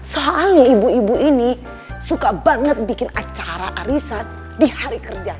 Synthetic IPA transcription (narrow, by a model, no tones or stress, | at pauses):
soɦaaliibuibuʔini | sukabaŋət̪̚bikɪnat͡ʃaɾaʔaɾisat̪̚ | dihaɾikərd͡ʒa